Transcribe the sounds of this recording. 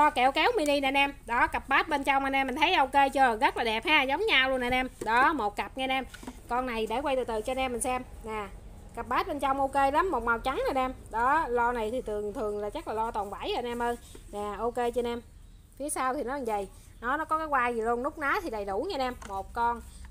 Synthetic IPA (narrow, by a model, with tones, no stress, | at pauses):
lɔ˧kɛ˧˩wkɛ˨˦wmi˧ni˧na˨˩nɛ˧mɗɔ˨˦kə˨˩p̚ɓaː˦˥t̚ɓe˧nt͡ɕɔ˧wŋ͡mmaː˨˩nɛ˧m̟ː˨˩t̪ʰə˨˦jʔo˧wke˧t͡ɕə˨˧˩ɣə˦˥t̚laː˨˩ɗɛ˨˩p̚haː˧zə˨˦wŋ͡mɲaː˧wlu˧ənaː˨˩nɛ˧mɗɔ˨˦mo˨˩t̚kə˨˩p̚ŋaː˧nɛ˧mkɔ˧nːa˨˩jɗe˧˩kwa˧jt̪ɨ̰˨˩t̪ɨ̰˨t͡ɕɔ˧nɛ˧mːa˨˩ŋsɛ˧mnaː˨˩ | kə˨˩p̚ɓaː˦˥t̚ɓe˧nt͡ɕɔ˧wŋ͡mʔo˧ke˧la˨˦mːo˨˩t̚ma˨˩wt͡ɕa˨˦ŋna˨˩nɛ˧mɗɔ˨˦lɔ˧na˨˩jt̪ʰi˨˩t̪ɨ˨˩əŋt̪ʰɨ˨˩əŋlaː˨˩t͡ɕa˦˥k̚laː˨˩lɔ˧t̪ɔ˨˩nva˧˩jə˧˩nɛ˧mʔəː˧n | naː˨˩ʔo˧ke˧t͡ɕɔ˧nɛ˧m | fi˨˦əsaː˧wt̪ʰi˨˩nɔ˨˦lvə̰˧˨j | nɔ˨˦nɔ˨˦kɔ˨˦kaː˨˦jkwaː˧jzi˨˩lu˧ənːʊ˦˥k͡p̚naː˨˦t̪ʰi˨˩ɗə˨˩jɗu˧˩ɲa˧nɛ˧mːo˨˩t̚kɔ˧n